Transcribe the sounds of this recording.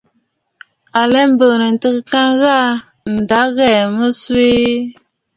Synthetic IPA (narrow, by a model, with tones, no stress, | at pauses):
a˨lɛ˦m˦bə˨nə˨n̩˨tə˦kə˦ka˦ŋɣa˦˨ | n̩˨da˨˦ɣɛ˨mə˦swe˦